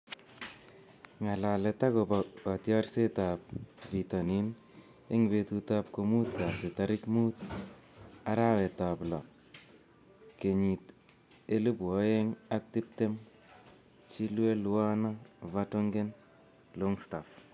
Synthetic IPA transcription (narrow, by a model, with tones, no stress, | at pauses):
ŋa˨la˨le˨ta˦ko˨ba˨ɔ˨tjɔ˦ɾse˦ta˨p̚vi˨ta˨ni˦n | e˦ŋbe˨tu˧ta˧p̚ko˧mu˦tka˨sɪ˨ta˨ɾɪ˦kmu˦t | a˨ɾa˦we˨ta˨plɔ̰˨ | ke˨ɲi˨t | e˦lu˦bɔ˦je˦ŋa˦k̚ti˦p̚te˦m | t͡ʃi˦lwe˦lwa˦na˦va˦to˦ŋɡe˦n | lo˦ŋsta˨f